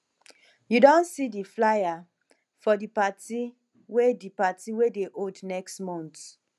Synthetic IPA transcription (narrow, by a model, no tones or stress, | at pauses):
judõnsidiflaja | fɔdipati | wedipatiwedeʔodnɛkstmɔ̃nt